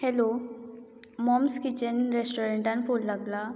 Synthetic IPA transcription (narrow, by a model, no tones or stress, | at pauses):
hɛlo | mɔmskit͡ɕənɾesʈoɾeɳʈãnfolːaɡla